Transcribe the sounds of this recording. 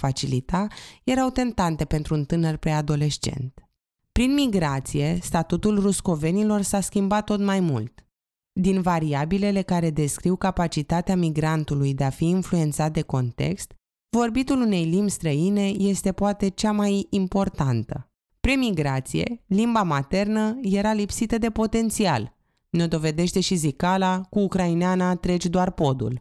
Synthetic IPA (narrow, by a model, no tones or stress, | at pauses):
fat͡ʃilit̪aje̞ɾawt̪e̞nt̪ant̪e̞pe̞nt̪ɾuːnt̪ɨnərpɾead̪o̞le̞ʃt͡ʃe̞̰nt̪ | pɾinmiɡɾat̪sije̞st̪at̪ut̪ulrusko̞ve̞nilo̞rsaskʲimbat̪ːo̞t̪majmult̪ | d̪invaɾiabile̞le̞kaɾe̞d̪e̞skɾiwkapat͡ʃit̪at̪eamiɡɾant̪ulujd̪e̞afiːnflue̞nt̪sat̪̚d̪e̞ko̞nt̪e̞̰kst̪ | vo̞rbit̪ulune̞jlimbʲst̪ɾəine̞je̞st̪e̞poat̪e̞t͡ʃamajimpo̞rt̪ant̪ə̰ | pɾemiɡɾat̪sije̞̰limbamat̪e̞rnəje̞ɾalipsit̪əd̪e̞po̞t̪e̞nt̪sia̰l | no̞d̪o̞ve̞d̪e̞ʃt̪e̞ʃizikalakuːkɾaineanat̪ɾe̞t͡ʃd̪oarpo̞d̪ṵl